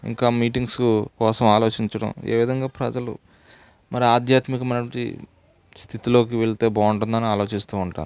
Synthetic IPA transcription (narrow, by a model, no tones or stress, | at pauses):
ḭŋkaːmiːʈiŋɡskukɔːsɐmaːlo̞ːt͡ʃiɲt͡ʃɐɽɐ̰me̞̰ːʋid̪ɐŋɡaːpɾɐd͡ʒɐlṵ | mɐɾiaːd̪ʱjaːt̪mikɐmɐjnɐʈɐɳḭ | st̪ʰit̪ilo̞ːkiʋeɭt̪e̞ːbaːuɳʈund̪ɐniaːlo̞ːt͡ʃist̪uːuɳʈa̰ːnu